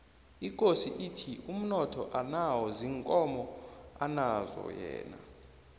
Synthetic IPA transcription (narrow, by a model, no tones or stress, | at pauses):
ikʼosiʔitʰiʔum̩nɔtʰɔʔanawɔziːŋkʼɔmɔanazɔ̰jɛ̰ːna̰